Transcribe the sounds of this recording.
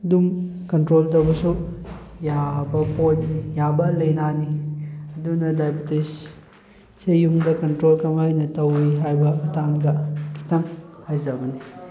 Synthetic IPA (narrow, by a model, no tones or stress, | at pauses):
dumkɐntɾoltɐwbɐsu | jabɐpʰojnijabɐlɐjnaniɐdunɐdajbitis | sejuŋdɐkɐntɾolkɐmajnɐtɐwiɦajbɐɐtʰaŋdɐkʰi̥tɐŋhajzɐbɐni